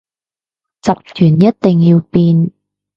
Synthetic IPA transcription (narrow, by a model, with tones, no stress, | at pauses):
t͡sɐ˨p̚k̪ʰyː˨˩njɐ˥t̚t̪ɪ˨ŋjiː˧wpiː˧n